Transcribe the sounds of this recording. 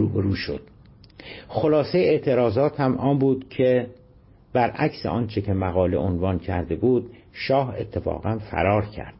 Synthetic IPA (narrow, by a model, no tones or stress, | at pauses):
uːbeɾuːʃo̰d̪̥̚ | xolɒːsejeeʔt̪ʰe̞ɾɒːzɒːt̪hæmɒːmbuːd̪cʰe | b̥æɾʔæcsḛʔɒːnt͡ʃʰecʰe̞mæɣɒːle̞ʔonvɒːncʰæɾd̪e̞buːd̪ | ʃɒːhe̞̰t̪ʰːe̞fɒ̰ːɣænfæ̰ɾɒːɾcʰæ̰ɾd̪̥